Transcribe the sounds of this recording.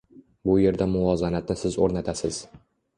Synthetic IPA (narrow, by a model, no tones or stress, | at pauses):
bʊje̞ɾd̪amʊɒzanat̪nɪsɪzoɾnat̪ʰasɪz̥